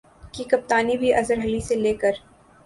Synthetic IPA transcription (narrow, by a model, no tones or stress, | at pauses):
kikɐp̚t̪aːnibʱiʔɐzəɾɦɐliseleːkəɾ